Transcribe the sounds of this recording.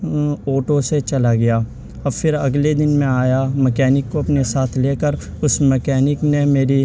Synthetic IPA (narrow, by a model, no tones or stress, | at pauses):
oːʈoset͡ʃɐlaɡɐjaː | ɐbfɪɾɐ̰ɡled̪ɪnmẽaːjamɛkɛːnɪkːoɐpnesaːt̪ʰleːkəɾ | ʊsmɛkɛːnɪknemeːɾi